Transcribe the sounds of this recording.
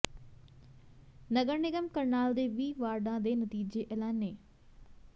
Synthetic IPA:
nɐɡəɾnɪɡəmkəɾnaːld̪eːʋiːʋaːɾɖãd̪eːnɐt̪iːd͡ʑeʔeːlaːnːeː

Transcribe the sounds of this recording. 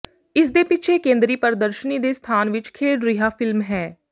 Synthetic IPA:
ɪsd̪eːpɪt͡ʃʰeːkẽːnd̪ɾiːpəɾd̪əɾʃəniːd̪eːst̪ʰaːnʋɪt͡ʃkʰeːɖɾiɦaːfɪlmɦɛː

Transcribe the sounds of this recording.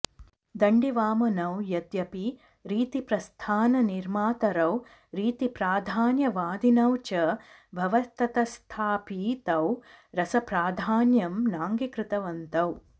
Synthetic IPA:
d̪ɐɳɖiʋaːmɐnɐwjɐd̪jɐpi | ɾiːt̪ipɾɐst̪ʰaːnɐniɾmaːt̪ɐɾɐw | ɾiːt̪ipɾaːd̪ʱaːnjɐʋaːd̪ʱinɐwt͡ʃɐ | bʱɐʋɐst̪ʰɐt̪ɐst̪ʰaːpiːt̪ɐwɾɐsɐpɾaːd̪ʱaːnjɐmnaːŋɡikɾɪt̪ɐʋɐnt̪ɐw

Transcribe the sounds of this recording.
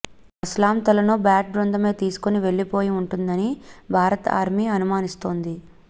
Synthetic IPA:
islaːmt̪ɐlɐnoːbaːʈ̚bɾond̪ɐme̞ːt̪iːsu̥koniʋe̞ɭːipo̞ːjiuɳʈund̪ɐnibʱaːɾɐt̪a̰ːɾmiɐnumaːnist̪o̞ːnd̪i

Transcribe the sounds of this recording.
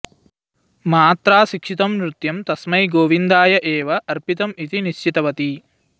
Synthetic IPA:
maːt̪ɾaːʃikʂit̪ɐmɾut̪jɐmt̪ɐsmɐjɡoːʋind̪aːjɐʔɛːʋɐʔɐɾpit̪ɐmit̪iniʃt͡ʃit̪ɐʋɐt̪i

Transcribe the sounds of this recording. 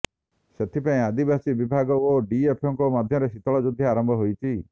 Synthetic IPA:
set̪ʰipaĩad̪ibasibibʱaɡɔoɖiepʰɔŋkɔmad̪ʱjɔɾesit̪ɔɭɔd͡ʒud̪ʱjaaɾɔmbʱɔɦojt͡ʃʰi

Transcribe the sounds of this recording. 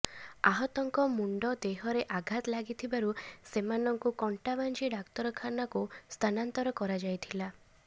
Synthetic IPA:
a̰ɦɔt̪ɔŋkɔmuɳɖɔd̪eɦɔɾeʔaɡʱat̪laɡit̪ʰibaɾusemanɔŋkukɔɳʈaband͡ʒiɖakt̪ɔɾɔkʰanakust̪ʰanant̪ɔɾɔkɔɾad͡ʒajt̪ʰila

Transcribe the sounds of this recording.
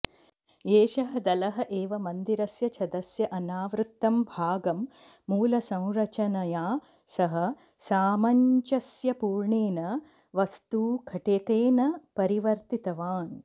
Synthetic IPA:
eːʃɐɦɐd̪ɐlɐɦɐʔeːʋɐmɐnd̪iɾɐsjɐt͡ʃʰɐd̪ɐsjɐʔɐnaːʋɾut̪ːɐmbʱaːɡɐmː | uːlɐsɐ̃w̃ɾɐt͡ʃɐnɐjaː | sɐɦɐ̆ | saːmɐɲt͡ʃɐsjɐpuːɾɳeːnɐ | ʋɐst̪ukʰɐʈeːkeːnɐpɐɾiʋɐɾt̪it̪ɐʋaːn

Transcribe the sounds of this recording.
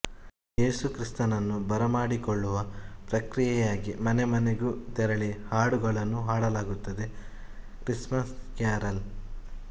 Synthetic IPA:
eːsukɾist̪ɐnɐnːubɐɾɐmaːɽikoɭːuʋɐpɾɐkɾijɛjaːɡimɐnemɐneɡut̪ɛɾɐɭihaːɽuɡɐɭɐnːuɦaːɽɐlaːɡut̪ːɐd̪e̞ | kɾismɐskjaːɾɐl

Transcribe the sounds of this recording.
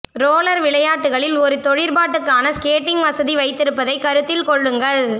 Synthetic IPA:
ɾoːlɐɾʋɪɭɐjaːʈːɯɣɐɭɪlɔɾɯt̪ɔɻɪɾpaːʈːɯkːaːnɐskeːʈːɪŋɡʋɐsɐðiʋɐɪt̪ːɪɾɯpːɐðɐɪkɐɾɯt̪ːɪlkɔɭːɯŋɡɐɭ

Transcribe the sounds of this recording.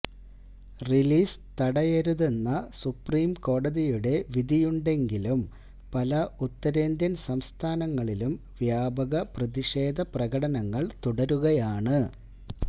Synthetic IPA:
riliːs | t̪ɐɽɐjeɾuðenːɐsupriːmko̞ːɽɐðijuɽe̞ʋid̪ʱijuɳɖe̞ŋɡilum | pɐlɐut̪ːɐɾe̞ːnd̪jɐnsɐmst̪ʰaːnɐŋːɐɭilum | ʋjaːbɐɣɐprɐðiʂe̞ːd̪ʱɐprɐɣɐɽɐnɐŋːɐɭt̪uɽɐɾuɣɐjaːɳɨ

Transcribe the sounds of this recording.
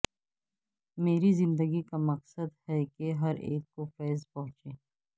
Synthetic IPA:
meːɾizɪ̃nd̪əɡikamɐqsəd̪hɛkeɦɐɾḛːkkofɛːzpɐɦʊ̃t͡ʃeː

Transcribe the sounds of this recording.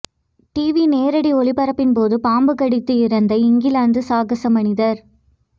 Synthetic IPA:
ʈiːʋineːɾɐɽiɔɭɪpɐɾɐpːɪnpoːðɯpaːmbɯkɐɽɪt̪ːɯɪɾɐnd̪ɐɪɪŋɡɪlaːnd̪ɯsaːɣɐsɐmɐnɪðɐɾ

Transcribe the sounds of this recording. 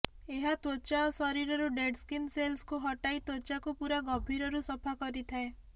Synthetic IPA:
eɦat̪ot͡ʃaɔsɔɾiɾɔɾuɖeɖskinselskuɦɔʈait̪wot͡ʃakupuɾaɡɔbʱiɾɔɾusɔpʰakɔɾit̪ʰae

